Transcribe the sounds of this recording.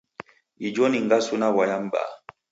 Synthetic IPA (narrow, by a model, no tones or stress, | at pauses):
id͡ʒɔniŋ̩ɡasunawajam̩ba̰